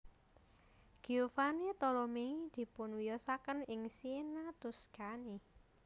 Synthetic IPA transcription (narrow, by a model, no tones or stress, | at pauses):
ɡ̥iufanit̪ɔlɔmeid̪̥i̤pʊnwijɔsakənɪŋsinat̪ʊskani